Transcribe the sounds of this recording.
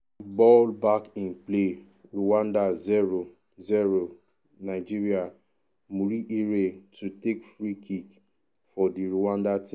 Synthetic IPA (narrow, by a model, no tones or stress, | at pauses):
bɔlbakĩnple | ɹuwãndaziɹo | ziɹo | naɪd͡ʒiɹia | muɾiʔiɹetutekfɹikʰik | fɔdiɹuwãndatĩ